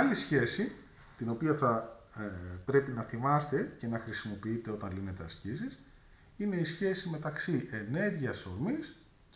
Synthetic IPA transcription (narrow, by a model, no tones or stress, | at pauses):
ɐlisçe̞si | t̪ino̞piɐθɐ | pɾe̞pinɐθimɐst̪e̞ce̞nɐxɾisimo̞piit̪e̞o̞t̪ɐnlinet̪e̞ɐscisis | ine̞isçe̞sime̞t̪ɐksiʔene̞ɾʝiɐso̞ɾmis